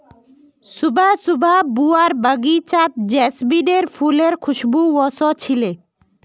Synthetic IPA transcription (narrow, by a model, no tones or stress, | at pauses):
subʱasubʱabuaɾbaɡit͡ɕat̪̚d͡ʑɛsbiɖeɾfʰuleɾkʰuʃbuwɔsɔt͡ɕʰile